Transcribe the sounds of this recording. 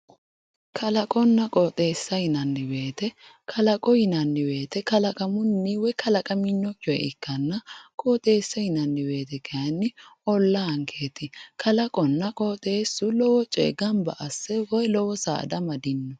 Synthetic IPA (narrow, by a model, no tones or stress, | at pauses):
kʰɐlɐkʼɔnːɐkʼɔːt̪ʼeːsːɐhɪnɐnːɪbe̞ːt̪ɛkʰɐlɐkʼɔhɪnɐnːɪbe̞ːt̪ɛkɐlɐkʼɐmʊnːiwɔjkʰɐlɐkʼɐmɪnːɔkːɔjɛ̰ʔɪkːɐnːɐkʼoːt̪ʼe̞ːsːɐhɪnɐnːɪbe̞ːt̪ɛkʰɛjɐnːɪɔlːɐɐŋkʰeːt̪ɪkʰɐlɐkʼɔnːɐkʼoːt̪ʼe̞ːsːʊlɔwɔt͡ʃʼḛɡɐmbɐ̰ʔɐsːɛwɔjlɔwɔsa̰ːd̪ɐmɐd̪ɪnːɔ